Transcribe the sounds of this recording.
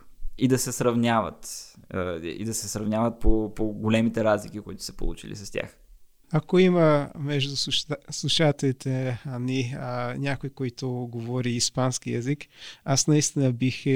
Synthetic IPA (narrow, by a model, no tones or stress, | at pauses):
id̪ɐsɛsɾɐvnʲavə̰t̪ | ḭd̪ɐsɛsɾɐvnʲavɐt̪̚popoɡolɛmit̪ɛɾazlikikoit̪ʊ̥sɐ̥po̰lˠṵt͡ʃḭlḭsɐst̪ʲa̰x | akoimɐmɛʒd̪usslˠuʃat̪ɛlit̪ɛɐninʲakoikoit̪ʊɡovɔɾiːspanskijɐzikasnɐist̪inɐbix